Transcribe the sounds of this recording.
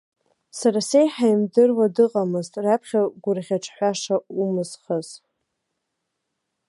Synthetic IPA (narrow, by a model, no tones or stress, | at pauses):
saɾasejħajmdɨrwadɨqʼamɨztʼrapʰχʲaɡʷʊrʁʲaʈ͡ʂʰħʷaʂaumɨzχaz̥